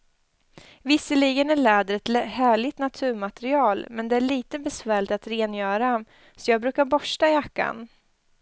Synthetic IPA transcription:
vɪsːəliːɡənæɭɛːd̪əɾɛt̪lhæːɭɪt̪nat̪ʰʉ̟ːɾmat̪ɾɪɑːlmɛnd̪ɛæɭiːt̪əbɛsvæːɭɪt̪at̪ɾeːnjœːɾa | sɔjɑːɡ̚bɾʉ̟ːkaɾbɔʂʈaɪjakːa̰n

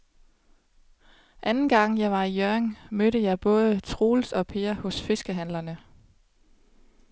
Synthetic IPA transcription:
ʔænn̩ɡ̥ɑ̈ŋ̰jɑ̈ɪʋɑ̈ijøɐŋmøɾəjɑ̈ɪb̥ɔ̽ːð̞ˠət͡sʰʁo̝ːlsɒ̽pʰeːɐhɔ̽sfe̝sɡ̥əɦænlɐnə

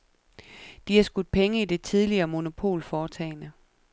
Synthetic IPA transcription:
d̥ihɑ̈sɡ̥uð̥ˠpʰeŋəid̥e̝t͡sʰið̞ˠliɐːmo̝no̝pʰo̝̰ːlfɒːt͡sʰɛ̰ːɪnə

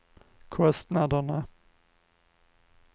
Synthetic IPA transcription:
kʰɔst̪nad̪əɳə

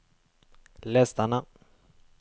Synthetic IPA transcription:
lɛst̪ana

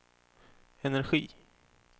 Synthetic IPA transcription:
ɛnæɾɧiː

